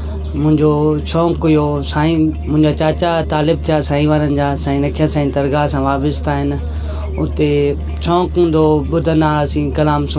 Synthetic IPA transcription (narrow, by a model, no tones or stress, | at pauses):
mʊ̃ɪ̃ɲd͡ʑot͡ɕʰɔ̃ːkʊjosãːĩmʊ̃ɦɪ̃ɲd͡ʑat͡ɕaːt͡ɕat̪aːlɪb̚t̪ʰijasãːĩʋaːnənɪ̆d͡ʑaːsãːĩnɐkʰijasãːĩt̪ɐɾɡasãːʋaːbɪst̪aːɦɪn̆ | ʊt̪e | t͡ɕʰɔ̃ːkɦũːnd̪obʊd̪ʱənaɐsĩːkɐlaːms